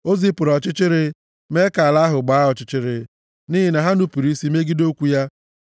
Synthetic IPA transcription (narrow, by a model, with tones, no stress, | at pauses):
o˦zi˦pʊ˨ɾɔ˨t͡ʃɪ˦t͡ʃɪ˦ɾɪ˦ | me˦ka˨la˦ɦʊ˨ɡ͡ba˨˦ɦɔ˨t͡ʃɪ˦t͡ʃɪ˦ɾɪ̰˨ | ni˦ɦɪ˨na˨ɦa˦nu˦pi˨ɾi˦si˦me˦ɡi˦do˦kʷu˨˦ja˦